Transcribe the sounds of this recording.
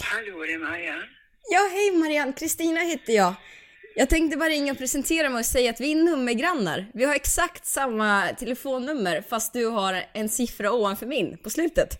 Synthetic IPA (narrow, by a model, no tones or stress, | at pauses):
haludɛmaɾɪan | jɑːɦɛjmaɾɪankʰɾɪst̪iːnaheːt̪ːəjɑː | jɑːɡt̪ʰɛŋkt̪əbɑːɾaɪŋːaɔpʰɾɛsɛnt̪ʰeːɾamɛjɔsɛjːaːt̪vɪnːɵmːəɾɡɾanːa̰ɾvɪhaɾɛksakt̪samːat̪ʰɛləfoːnːɵmːəɾfast̪̚d̪ɵɦaɾɛnsɪfɾaoːvanfœɾmɪnːpʰɔslʉ̟ːt̪ət̪